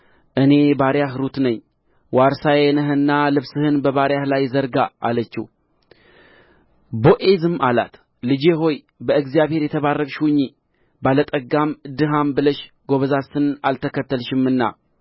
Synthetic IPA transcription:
ʔɨne̞baɾjaɦɾut̪nəɲː | waɾsajenəɦɨnːalɨβsɨhɨnbəβaɾjahlajzəɾɡa̰ːlət͡ʃːḭ | boʔezɨmala̰t̪ | lɨd͡ʒeɦo̞j | bəɨɡzijaβhe̞ɾjɛt̪ʰəβarːəkʼʃuwɲːi | balət̪ʼəɡamɨd̪ɨɦambɨləʃ | ɡo̞βəzasɨnalt̪ʰəkət̪ːəlʃɪmːɨnːa̰

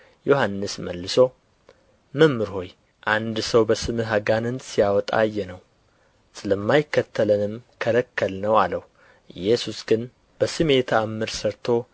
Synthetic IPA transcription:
johanːɨsməlːɨso̞ | məmːɨɾho̞j | ʔand̪səwbəsɨmɨɦaɡanɨnsijawɔt̪ʼa̰jːɛnəw | sɨləmːajɪkːət̪ʰːələnɨmkʰəɾəkʰːəlnəwaləh | ʔɨjːɛsusɡɨn | b̥əsɨme̞t̪ʰaamːɨɾsəɾt̪ʰo̞

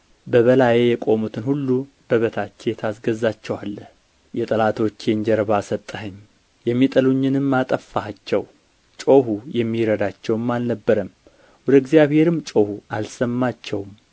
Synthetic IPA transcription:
bəβəlajejɛkʼo̞mut̪ʰɨnhulːu | bəβət̪ʰat͡ʃːejɛt̪ʰasɡəzat͡ʃːɛwalːə | jɛt̪ʼəlat̪ʰo̞t͡ʃːeɲd͡ʒɛɾəβasət̪ʼːəɦɨɲː | jɛmːit̪ʼəluɲːɨnɨmːat̪ʼəfːaat͡ʃːɛ̰w | t͡ʃʼo̞hujɛmːiɾəd̪at͡ʃːɛwɨmːalnəbːəɾəm | wɔd̪əɡzijaβhe̞ɾɨmːt͡ʃʼo̞hualsəmːat͡ʃːɛwm

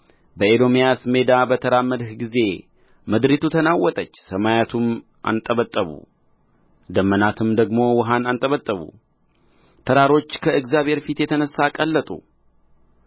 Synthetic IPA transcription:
bəed̪o̞mjasme̞d̪abət̪ʰəɾamːəd̪hɡize̞ | məd̪ɾit̪ʰut̪ʰənawːɔt̪ʼət͡ʃːsəmajat̪ʰum | ʔa̰nt̪ʼəβət̪ʼːəβṵ | d̪əmːənat̪ʰɨmd̪əɡmo̞wɔɦanant̪ʼəβət̪ʼːəβṵ | t̪ʰəɾaɾo̞t͡ʃːkʰəɨɡzjaβhe̞ɾfit̪jɛt̪ʰənəsːakʼəlːət̪ʼṵ

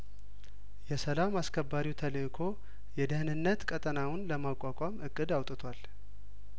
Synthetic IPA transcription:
jɛsəlamaskʰəbːaɾiwt̪ʰələkʰo̞ | jɛd̪əhɨnɨnːət̪kʼət̪ʼənawʊnləmakʷʼːakʷʼamɨkʼːɨd̪awt̪ʼɨt̪ʰwal

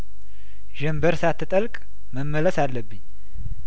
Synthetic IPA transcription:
ʒɛmbəɾsat̪ʰːɨt̪ʼəlkʼ | məmːələsalːəbːɨɲː

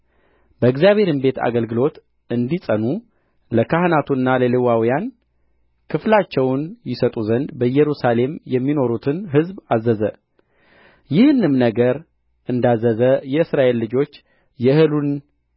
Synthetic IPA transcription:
b̥əɨɡzjaβhe̞ɾɨmbe̞t̪ʰa̰ɡəlɡɨlo̞t̪ | ɨnd̪isʼənu | ləkʰahnat̪ʰunːaləlɨwawijan | kʰɨflat͡ʃːɛwnjɪsət̪ʼuzənd̪bəjɛɾusale̞mjɛmːino̞ɾut̪ʰɨnɦɨzbazːəzə | jɪhɨnɨmnəɡəɾ | ʔɨnd̪azːəzəjɛɨsɾaʔe̞lːɨd͡ʒo̞t͡ʃː | jɛhɨlun

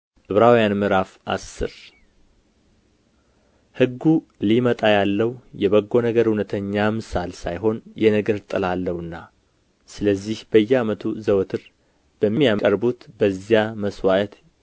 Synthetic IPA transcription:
ʔɨβɾawjanmɨɾafa̰sːɨ̰ɾ | hɨɡːu | limət̪ʼajalːəwjɛβəɡːo̞nəɡəɾhunət̪ʰəɲːamɨsalsajɦo̞njɛnəɡəɾt̪ʼɨlalːəwɨnːa | sɨləzːihbəjːɛamət̪ʰuzəwt̪ʰɨɾ | b̥əmːijakʼəɾbut̪bəzijaməswaʔt̪

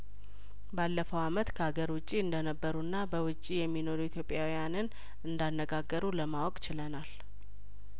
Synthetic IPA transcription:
balːəfəwamət̪kʰəhaɡəɾwʊt͡ʃʼːiɨnd̪ənəbːəɾunːabəwʊt͡ʃʼːijɛmːino̞ɾuit̪ʰjo̞pʼjawijanɨn | ɨnd̪anːəɡaɡːəɾuləmawɔkʼt͡ʃɪlənal

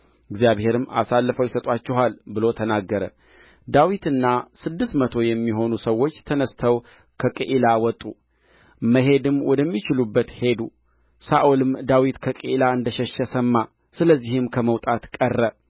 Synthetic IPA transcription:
ɨɡzjaβhe̞ɾɨmːa̰salːəfəwjɪsət̪ʼat͡ʃːɛɦalbɨlo̞t̪ʰənaɡːəɾə̰ | d̪awit̪ɨnːasɨd̪ːɨst̪mət̪ʰo̞jɛmːiɦo̞nusəwːo̞t͡ʃːt̪ʰənəst̪ʰəw | kʰəkʼiʔilawɔt̪ʼːu | məɦe̞d̪ɨmwɔd̪əmːit͡ʃɪlubːət̪he̞d̪u | saʔulɨmd̪awit̪kʰəkʼiʔilaɨnd̪əʃɛʃːɛsəmːa | sɨləzːihɨmkʰəməwt̪ʼat̪kʼərːə

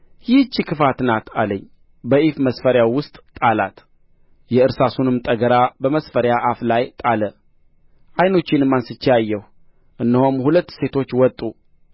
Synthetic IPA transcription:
jɪt͡ʃːikʰɨfat̪nat̪ʰaləɲː | bəʔifməsfəɾjawʊst̪ʼt̪ʼalat̪ | jɛɨɾsasunɨmt̪ʼəɡəɾabəməsfəɾjaʔaflajt̪ʼalə | ʔajno̞t͡ʃːɪnɨmːansɨt͡ʃːjajːɛh | ʔɨnːəhomhulət̪ːse̞t̪ʰo̞t͡ʃːwɔt̪ʼːu

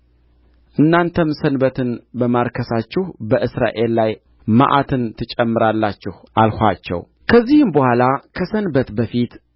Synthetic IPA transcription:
ʔɨnːant̪ʰəmsənbət̪ʰɨnbəmaɾkʰəsat͡ʃːɪhbəʔɨsɾa̰ʔe̞lːaj | ma̰ʔat̪ʰɨnt̪ʰɨt͡ʃʼɛmːɨɾalːat͡ʃːɪhʔalhʷat͡ʃːɛ̰w | kʰəzːihɨmbəhʷalakʰəsənbət̪bəfit̪

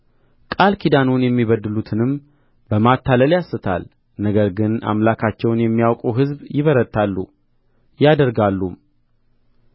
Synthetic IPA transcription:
kʼalkʰid̪anonjɛmːiβəd̪ːɨlut̪ʰɨnɨm | bəmat̪ʰːaləljasːɨt̪ʰa̰l | nəɡəɾɡɨna̰mlakʰat͡ʃːɛwnjɛmːijawkʼuɦɨzbjɪβəɾət̪ʰʼːalːṵ | jad̪əɾɡalːum

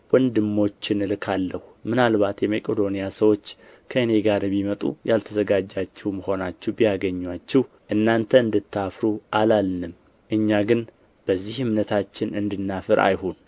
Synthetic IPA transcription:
wɔnd̪ɨmːo̞t͡ʃːɪnɨlɨkʰalːəhumɨnalβat̪jɛmekʼed̪o̞nijasəwo̞t͡ʃː | kʰəɨne̞ɡaɾbimət̪ʼṵjalt̪ʰəzəɡad͡ʒːat͡ʃːɛwməho̞nat͡ʃːɛhbijaɡəɲːwat͡ʃːɛh | ʔɨnːant̪ʰəɨnd̪ɨt̪ʰːafɾuʔalalnɨm | ʔɨɲːaɡɨn | b̥əzːihɨmnət̪ʰat͡ʃːɪnɨnd̪ɨnːafɨɾa̰jhon

